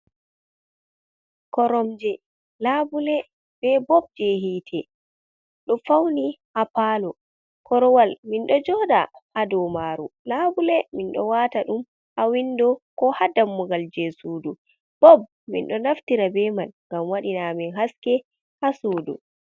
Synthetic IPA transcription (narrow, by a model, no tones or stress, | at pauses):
kɔɾɔmd͡ʒɛ | labulɛ | b̥ɛbɔb̚d͡ʒɛɦiːtʰɛ | ɗɔfawniʔapalɔ | kɔɾɔwalminɗɔd͡ʒɔda̰ʔadɔmaɾṵlabulɛminɗɔ̰wataɗum | ʔawindɔkɔhadamːuɡald͡ʒɛsudu | b̥ɔb̚ | mḭnɗɔnaftiɾabɛmanŋɡamwaɗinaminɦaskɛ | hasuːdṵ